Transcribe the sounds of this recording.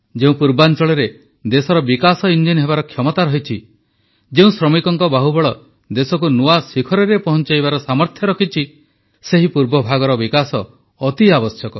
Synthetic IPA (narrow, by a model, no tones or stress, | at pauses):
d͡ʒeũpuɾbant͡ʃɔɭɔɾe | d̪esɔɾɔbikasɔind͡ʒinɦebaɾɔkʰjɔmɔt̪aɾɔɦit͡ʃʰi | d͡ʒeũsɾɔmikɔŋkɔbaɦubɔɭɔ | d̪esɔkunuasikʰɔɾɔɾepɔɦɔnt͡ʃajbaɾɔsamɔɾt̪ʰjɔɾɔkʰit͡ʃʰi | seɦipuɾbɔbʱaɡɔɾɔbikasɔː | t̪iabɔsjɔkɔ